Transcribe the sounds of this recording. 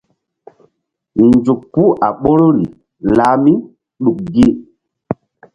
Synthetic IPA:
nd͡zu˨kːpːu˦ʔa˨ɓo˦ɾo˦li˨ | laː˨˦mi˦ | ɗu˨k̚ɡi˦

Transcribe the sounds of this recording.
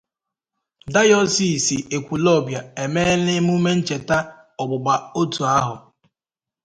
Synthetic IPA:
da˦jɔ˦si˨si˨e˨kʷu˨lɔ˦˨bja˨e˨me˦lɪ˦m˦u˦me˦n̩˦t͡ʃe˨ta˦ | ɔ˨ɡ͡bʊ˨ɡ͡ba˨o˦tu˨a˦ɦʊ̰˨

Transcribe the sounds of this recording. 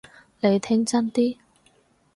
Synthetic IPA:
le˨˧jt̪ʰɪ˥ŋt͡sɐ˥nt̪iː˥

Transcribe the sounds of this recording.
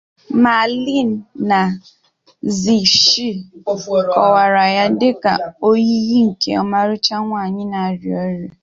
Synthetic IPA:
ma˨li˦n̩˨na˨ | zi˨ʃi˦˨ | kɔ˨wa˨ɾa˨ja˦dɪ˦ka̰˨o˦ji˦ɣi˦ŋ̩˨kḛ˦ɔ˦ma˦ɾʊ˦t͡ʃa˦ŋʷa˨ɲɪ˦na˨ɾi˨o˦ɾe˨

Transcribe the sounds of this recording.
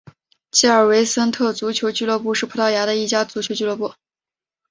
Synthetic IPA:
t͡ɕi˥˩ə˞˨˩we˧˥ɪsə˥nt̪ʰɤ˥˩t͡su˧˥t͡ɕʰjo˧˥ʊt͡ɕy˥˧lwɤ˥˧pu˥˧ʂɻ̩˥˩pʰɤ˧˥t̪ʰɑ˥˩ʊja˧˥ɾə˧i˥˩t͡ɕja˥t͡su˧˥t͡ɕʰjo˧˥t͡ɕy˥lwɤ˥˧pu˥˩

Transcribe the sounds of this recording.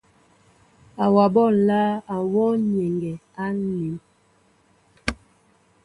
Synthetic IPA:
a˨wa˨bɔ˦˨laː˦a˨wɔ˦ne˨ŋɡɛ˨ | a˦li˨˦m

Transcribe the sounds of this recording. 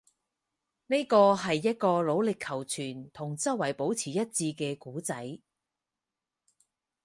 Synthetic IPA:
ne˥jkɔː˧ɦɐ˨jːɐ˥t̚kɔː˧lo˨˥wlɪ˨kʰːɐ˨˩wt͡sʰyː˨˩nt̪ʰʊ˨˩ŋt͡sɐ˥wɐ˨˩jpo˨˥wt͡sʰiː˨˩jɐ˥t̚t͡siː˧kɛː˧kuː˨˥t͡sɐ˨˥j

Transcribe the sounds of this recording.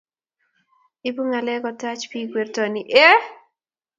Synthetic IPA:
i˦bu˦ŋa˨lɛ˦kɔ˨ta˦t͡ʃpi˦ɡwe˨rtɔ˨ni˨ʔe˦

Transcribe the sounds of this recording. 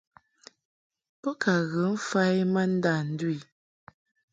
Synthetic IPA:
pɔ˦ka˨ɣə˨˦m̩˦fa˦jmə˦n̩˦da˦˨n̩˦dwi˦˨

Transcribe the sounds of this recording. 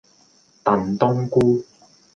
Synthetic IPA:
t̪ɐ˨nt̪ʊ˥ŋkuː˥

